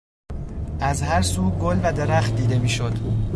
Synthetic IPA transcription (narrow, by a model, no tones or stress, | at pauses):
ʔæzhæɾsuːɡolvæd̪e̞ɾæxt̪̚d̪iːd̪e̞miːʃod̪̥